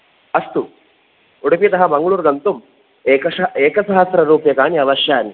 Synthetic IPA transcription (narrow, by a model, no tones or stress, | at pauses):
ɐst̪u | uɽupit̪ɐɦɐmɐŋɡɐɭuːɾɡɐnt̪umː | kɐeːkɐsɐɦɐsɾɐɾuːpjɐkaːniɐʋɐʃjaːni